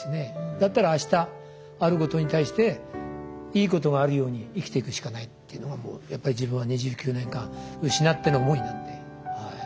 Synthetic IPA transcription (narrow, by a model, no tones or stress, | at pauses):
sne̞d̪at̪ːaɾaːɕi̥t̪aː | ɾɯ̟ko̞t̪o̞ɲ̟it̪aiɕi̥t̪e̞ | iːko̞t̪o̞ɡaːɾɯ̟jo̞ːɲ̟iːkʲi̥t̪e̞ikɯ̟ɕi̥kanait̪ːeiɯ̟noɡamo̰ːjapːaɾʲid͡ʑibɯ̟̃ɰ̃βaɲiʑɨːkʲɨːnẽ̞ŋkãɯ̟ɕinat̪ːe̞nomoinat̪ːe̞ | hai